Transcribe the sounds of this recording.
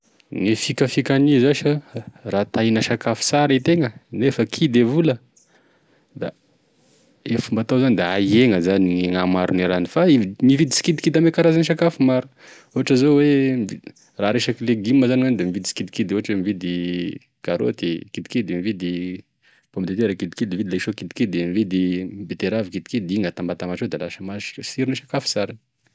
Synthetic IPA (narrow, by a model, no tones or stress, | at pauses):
ŋifikəfikʲanizaʃəraːt̪ajnəʃakafi̥saɾit̪eŋənefəkʰid̪evulə | d̪a̰ | efumbat̪awzanid̪ea̰jeŋəzaniŋeŋamaɾuniɾanifaimivid̪isi̥kid̪i̥kid̪amekaɾazaniʃakafumaɾu | uɦaʈ͡ʂazowemii | raɾeʃakileɡimːəzaniwand̪emivid̪isi̥kid̪ikid̪uɦaʈ͡ʂwemivid̪i | kaɾo̰t̪ikid̪i̥kid̪imivid̪i | pomd̪et̪eɾakid̪i̥kid̪imivid̪ileʃokid̪ikid̪d̪emivid̪imbet̪eɾavikid̪i̥kid̪iŋət̪ambat̪amaʈ͡ʂod̪elaʃəmaʃi̥siɾiniʃakafi̥saɾani̥